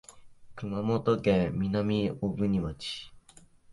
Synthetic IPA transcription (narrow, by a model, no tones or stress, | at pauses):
kɯmamot̪okẽmʲinamʲiobɯ̟ɲ̟imat͡ɕi̥